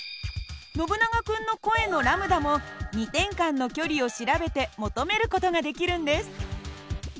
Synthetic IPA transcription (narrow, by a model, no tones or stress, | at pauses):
no̞bɯ̟naɡakɯ̟̃nːo̞ko̞ẽ̞no̞ɾamɯ̟d̪amo̞ɲ̟it̪ẽ̞ŋkãnːo̞kʲo̞ɾʲio̞ɕiɾabe̞t̪e̞mo̞t̪ome̞ɾɯ̟ko̞t̪o̞ɡad̪e̞kʲiɾɯ̟̃nd̪e̞sɨ̥